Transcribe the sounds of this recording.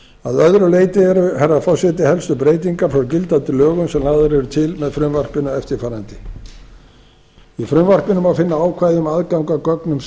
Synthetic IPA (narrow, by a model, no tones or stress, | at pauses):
aðœðɾʏleːjt̪ɪɛɾʏhɛɾːafawsɛt̪ɪhɛlst̪ʏpɾeːjt̪̬iŋkaɾfacɪlt̪ant̪ɪlœːɣʏmsɛmlaːðʏɾɛɾʏt̪ʰɪlmɛðfɾʏmvar̥pɪnʏɛft̪ɪɾfaːɾant̪ɪ | ifɾʏmvar̥pɪnʏmawfɪnːaaːwkʰvaːjðʏmaðkawŋkakœknʏm